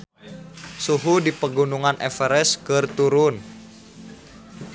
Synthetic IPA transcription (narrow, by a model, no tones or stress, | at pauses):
suɦudipəɡunuŋanʔɛfɛɾɛskərt̪uɾʊn